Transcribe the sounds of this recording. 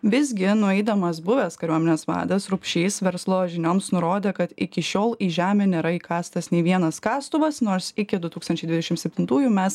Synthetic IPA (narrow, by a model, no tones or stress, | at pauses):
ʋʲɪzʲɡʲɪnʊɛɪd̪ɐmɐsbʊʋʲɛskɐɾʲuɔmʲɛnʲeːsʋɑ̰ːd̪ɐsɾʊpʲʃʲiːsʋʲɛɾslˠoːʒʲɪnʲoːmsnʊɾoːd̪ʲeːkɐt̪ɪkʲɪʃʲoːlˠiːʒʲæːmʲɛːnʲeːɾɐiːkɑːst̪ɐsnʲeɪʋʲiɛnɐskɑːst̪ʊʋɐsnoːɾsɪkʲɪd̪ʊt̪uːkst̪ɐnʲt͡ʃʲɛɪd̪ʋʲɪd̪ʲɛʃʲɪmtsʲɛpʲt̪ʲɪnt̪uːjumʲɛs